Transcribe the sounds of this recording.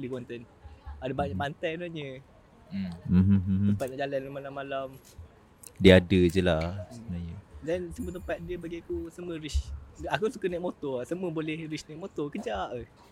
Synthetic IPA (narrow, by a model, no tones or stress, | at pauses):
likwant̪ɛn | adəbaɲaʔpant̪anɔʔɲə | m̩m̩əmpat̪̚naʔd͡ʒalanamalamːalam | diəadəd͡ʒəlasnajədɛnsəmuət̪əmpat̪̚diəbaɡiakusəmwəɾisakusukənɛk̚mot̪ɔsəməbolɛhɾisnɛk̚mot̪ɔkəd͡ʒaʔ